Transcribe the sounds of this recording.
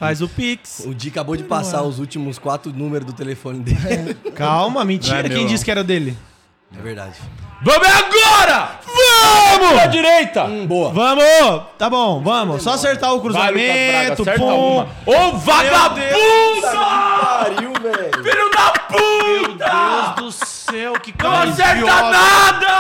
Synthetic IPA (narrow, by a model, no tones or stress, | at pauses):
fajzʊpiksʊd͡ʒiɐkabod͡ʒɪpasaɾʊzut͡ʃimʊskwat̪ɾʊnũmeɾʊzd̪ʊt̪elefõnɪd̪elkawmɐmĩt͡ʃiɛɾɐkkẽj̃d͡ʒiskɪɛɾɐʊd̪elɪ | ɛ̰veɾd̪a̰d͡ʒɪvɐ̃mʊaɡɔɾɐvɐmʊɐd͡ʒiɾejt̪ɐboɐvɐ̃mʊt̪abõw̃vɐ̃mʊsɔaseɾt̪aʊkɾuzamẽat̪ʊɛũ | ovaɡaeũtt̪ɐaɾimevinɐ̃d̪ɐput̪ɐzd̪ʊ | ewkɪkasɛaad̪ɐ